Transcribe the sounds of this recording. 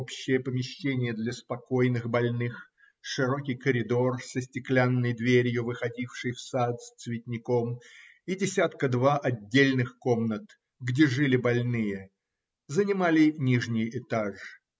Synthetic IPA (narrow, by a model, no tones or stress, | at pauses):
pɕːɪjəpəmʲɪɕːenʲɪjəd̪lʲəspɐko̞jnɨxbɐlʲnɨx | ʂɨɾo̞kʲɪjkəɾʲɪd̪o̞rsəsʲtʲɪklʲanːəjd̪vʲeɾʲjʊvɨxɐdʲifʂɨjfsat̪st̪svʲɪt̪ʲnʲɪko̞m | idʲɪsʲat̪kəd̪vaʔɐdʲːelʲnɨxko̞mnət̪ | ɡdʲe̞ʐɨlʲɪbɐlʲnɨjə | zənʲɪmalʲɪnʲiʐnʲɪjɪt̪aʐ